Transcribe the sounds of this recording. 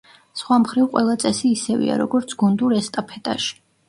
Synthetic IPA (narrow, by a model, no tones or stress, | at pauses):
sχwamχɾivqʼwɛlˠat̪sʼɛsiːsɛvḭa̰ɾɔɡɔɾt̪sʰɡ̥ɔnd̪uɾɛst̪ʼapʰɛt̪ʼa̰ʃi̥